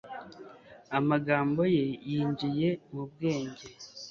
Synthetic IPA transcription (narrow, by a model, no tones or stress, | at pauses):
amaɡaːmbo̞je̞jiːɲɟije̞mub̚ɡe̞ːɲɟe̞